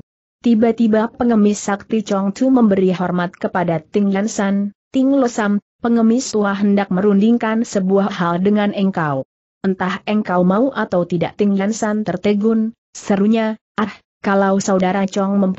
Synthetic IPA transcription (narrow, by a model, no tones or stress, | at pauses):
t̪ibat̪ibapəŋəmɪsːak̚t̪it͡ʃɔŋt̪ʰuməmbəɾiɦɔrmat̪̚kəpadat̪ɪŋlansant̪ɪŋlosam | pəŋəmɪst̪uaɦəndak̚məɾundiŋkansəbuaɦaldəŋanʔɛŋkaw | ʔənt̪ahɛŋkawmauʔat̪awt̪ida̰ʔt̪ɪŋlansant̪ərt̪əɡʊn | səɾuɲa | ah | kalawsaudaɾat͡ʃɔŋməm